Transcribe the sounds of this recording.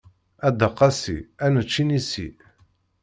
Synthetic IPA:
æd̪əqːɑsḭænət͡ʃːinisḭ

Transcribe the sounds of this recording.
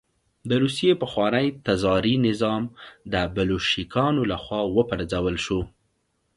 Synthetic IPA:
d̪əɾusijepəxwɑnəjt̪azɑɾinɪzɑmd̪əbaloʃikʰɑnolaxwɑwəpəɾd͡zawəlʃo

